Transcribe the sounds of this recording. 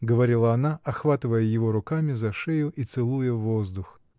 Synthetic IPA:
ɡəvɐɾʲilˠɐɐnaɐxvat̪ɨvəjəjɪvo̞ɾʊkamʲɪzɐʂejʊʔit̪sɨlˠujəvo̞zd̪ʊx

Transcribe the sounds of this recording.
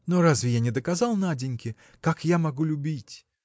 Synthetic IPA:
noɾazvʲɪjanʲɪd̪əkazalˠnadʲɪnʲkʲɪ | kakjamɐɡulʲʊbʲitʲ

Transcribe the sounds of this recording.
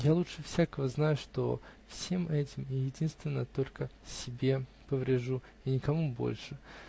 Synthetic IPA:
jalˠutʂɨfsʲakəvəznajʊʂt̪o̞̰fsʲemʔɛtʲɪmɪjɪdʲinst̪vʲɪnːəət̪o̞lʲkəsʲɪbʲe̞ | pəvɾʲɪʐu | inʲɪkɐmubo̞̰lʲʂɨ

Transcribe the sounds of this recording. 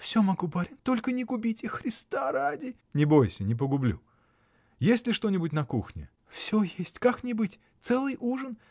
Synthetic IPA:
fsʲomɐɡubɐɾʲɪnʲt̪o̞lʲkənʲɪɡʊbʲitʲɪxɾʲɪst̪aɾadʲɪ | nʲɪbo̞jsʲənʲɪp̬əɡʊblʲṵ | jesʲlʲɪʂt̪o̞nʲɪbʊtʲnɐkuxnʲɪ̰ | fsʲojesʲtʲkaknʲɪbɨtʲ | t̪sɛlˠɨjʔuʐən

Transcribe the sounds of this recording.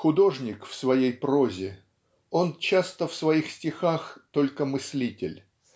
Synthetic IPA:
xʊd̪o̞ʐnʲɪkfsvɐjejpɾo̞zʲɪ | o̞nt͡ɕast̪əfsvɐixsʲtʲɪxaxt̪o̞lʲkəmɨsʲlʲitʲɪlʲ

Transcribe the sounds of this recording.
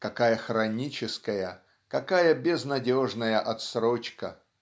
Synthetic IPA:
kɐkajəxɾɐnʲit͡ɕɪskəjə | kɐkajəbʲɪznɐdʲo̞ʐnəjəʔɐt̪sɾot͡ɕkə̰

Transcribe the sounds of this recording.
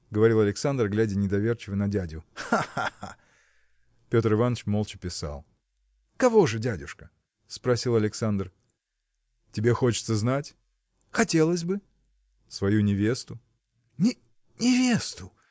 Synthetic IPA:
ɡəvɐɾʲilˠɐlʲɪksand̪rɡlʲædʲɪnʲɪd̪ɐvʲe̞rt͡ɕɪvənɐdʲædʲʊaaa | pʲo̞t̪rɨvanːət͡ɕmo̞lˠt͡ɕɪ̥pʲɪsa̰lˠ | kɐvo̞ʐɨdʲædʲʊʂkə | spɾɐsʲilˠɐlʲɪksand̪r | tʲɪbʲe̞xo̞t͡ɕɪ̥t̪səznatʲ | xɐtʲe̞lˠəs̬ʲbɨ | svɐjunʲɪvʲe̞st̪ʊ | nʲɪ | nʲɪvʲe̞st̪ʊ

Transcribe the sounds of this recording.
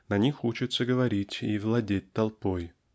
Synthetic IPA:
nɐnʲixut͡ɕɪt̪səɡəvɐɾʲitʲivlˠɐdʲet̚ʲt̪ɐlˠpoj

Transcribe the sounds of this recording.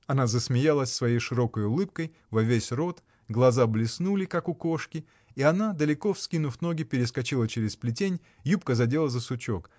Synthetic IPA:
ɐnazəsmʲɪjalˠəsʲsvɐjejʂɨɾo̞kəjʊlˠɨp̚kəj | vɐvʲesʲro̞t̪ | ɡlˠɐzablʲɪsnulʲɪkakʊko̞ʂkʲɪ | iɐnad̪əlʲɪko̞fskʲinʊfʲno̞ɡʲɪpʲɪɾʲɪskɐt͡ɕilˠət͡ɕeɾʲɪsplʲɪtʲenʲ | jup̚kəzɐdʲe̞lˠəzəsʊt͡ɕo̞k

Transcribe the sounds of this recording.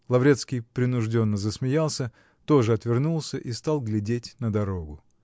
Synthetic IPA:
lˠɐvɾʲet̪skʲijpɾʲɪnʊʐdʲonːəzəsmʲɪjalˠsʲə | t̪o̞ʐɨɐt̪vʲɪrnulˠsʲəʔist̪alˠɡlʲɪdʲetʲnəd̪ɐɾo̞ɡʊ

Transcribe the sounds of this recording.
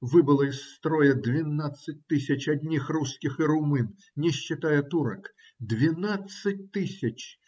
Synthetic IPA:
vɨbɨlˠɐisːt̪ɾɔjɛd̪vʲinat̪sːɐt̚ʲt̪ɨsʲɐt͡ʃɐd̪ʲnʲixruskʲixiɾumɨn | nʲɛɕːɪt̪ajɛt̪uɾɐk | d̪vʲinat̪sɐt̚ʲt̪ɨsʲɐt͡ʃ

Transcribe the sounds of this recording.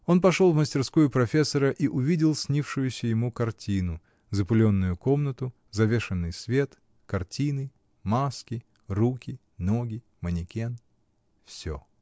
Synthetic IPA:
o̞np̬ɐʂolˠvməsʲtʲɪrskujʊpɾɐfʲesːəɾəʔiʔʊvʲidʲɪlˠsʲnʲifʂʊjʊsʲəjɪmukɐrtʲinʊ | zəpʊlʲo̞nːʊjʊko̞mnət̪ʊ | zɐvʲe̞ʂɨnːɨjsvʲe̞t̪ | kɐrtʲinɨ | maskʲɪ | rukʲɪ | no̞ɡʲɪ | mənʲɪkʲen | fsʲo̰

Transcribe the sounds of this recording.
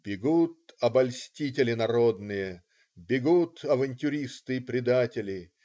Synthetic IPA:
b̥ʲɪɡut̪̚ɐbɐlʲsʲtʲitʲɪlʲɪnɐɾod̪nɨjə | bʲɪɡut̪ʰɐvɐnʲtʲʊɾʲist̪ɨɪpɾʲɪd̪atʲɪlʲɪ

